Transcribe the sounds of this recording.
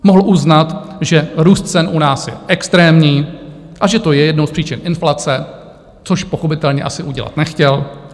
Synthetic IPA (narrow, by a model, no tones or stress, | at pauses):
moɦl̩ʔuznat̪ʒɛɾuːst̪̚t͡sɛnʔunaːsjɛ̰ʔɛkst̪ɾɛːmɲiː | ʔaʒɛt̪o̞jɛjɛdno̞wspr̥iːt͡ʃɪnʔɪnflat͡sɛ | t͡so̞ʃpo̞xo̞pɪt̪ɛlɲɛ̰ʔasɪʔuɟɛla̰t̪nɛxcɛl